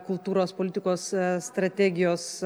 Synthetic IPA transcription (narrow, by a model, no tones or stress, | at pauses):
kʊlˠt̪uːɾoːspolʲɪt̪ʲɪkoːsst̪ɾɐt̪ʲæːɡʲɪjoːs